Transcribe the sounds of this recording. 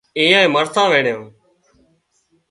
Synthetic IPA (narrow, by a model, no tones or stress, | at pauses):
ĩːãːẽːməɾt̪ʰãːʋẽːɳjõː